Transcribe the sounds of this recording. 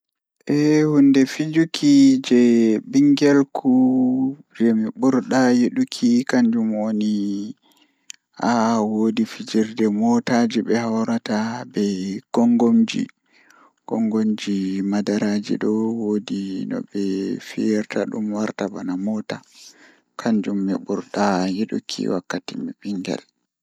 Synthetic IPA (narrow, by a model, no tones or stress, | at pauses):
ʔɛhundɛfid͡ʒukʰid͡ʒɛbiŋɡɛlkʰu | d͡ʒɛmiɓuɾɗajeɗukʰikaɲd͡ʒumwoni | hawodifid͡ʒiɾdɛmɔtad͡ʒiɓɛhawɾatabɛɡ̥ɔŋɡomd͡ʒḭ | ɡ̥ɔŋɡomd͡ʒimadaɾad͡ʒḭɗɔwodinɔ̰ɓɛfijɛɾtaɗṵmwaɾtabanamɔta | kʰaɲd͡ʒumːḭɓuɾɗajiɗṵkʰḭwakːatimiɓiŋɡɛ̰l